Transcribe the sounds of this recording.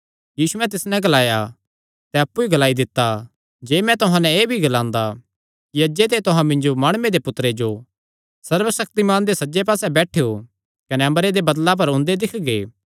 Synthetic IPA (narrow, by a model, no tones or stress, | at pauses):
jiːsuɛ̃t̪̬ɪsnɛ̃ɡɐlaːja | t̪ɛɐpːuiɡɐlaːid̪ɪt̪ːa | d͡ʒeːmɛ̃t̪ʊɦãnɛ̃eːbʱiɡɐlãːnd̪a | kiɐd͡ʒet̪̬et̪ʊɦãmɪ̃nd͡ʒomaːɽ̃ʊmẽd̪epʊt̪ːɾed͡ʒo | sɐɾʋəsɐk̚t̪imaːnd̪esɐd͡ʒep̬aːsɛbɛːʈʰeo | kɐnɛɐ̃məɾed̪ebɐd̪lap̬ɐɾʊ̃nd̪ed̪ɪkʰɡeː